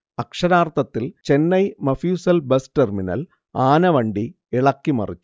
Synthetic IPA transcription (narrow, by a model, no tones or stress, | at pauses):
ɐkʂɐɾaːrt̪ɐt̪ːilt͡ɕe̞nːɐjmɐfjuːsɐlbɐsterminɐ̰l | aːnɐʋɐɳɖi | ɛɭɐkːimɐ̰rit͡ɕːu̥